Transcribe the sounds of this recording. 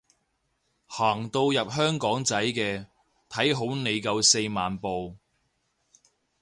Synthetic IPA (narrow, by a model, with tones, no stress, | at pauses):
haː˨˩ŋt̪o˧wjɐ˨p̚ɦœː˥ŋkɔː˨˥ŋt͡sɐ˨˥jkɛː˧ | t̪ʰɐ˨˥jɦo˨˥wne˨˧jkɐ˧wse˧jmaː˨npo˨w